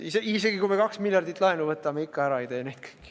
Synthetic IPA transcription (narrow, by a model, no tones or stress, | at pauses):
iseise̞ɡikujmekɑksmilʲjɑrd̪it̪ːˑlɑenuvɤt̪ːˑɑme̞ikːɑæɾɑejt̪eːnejd̪̚kɯ̥jkːi̥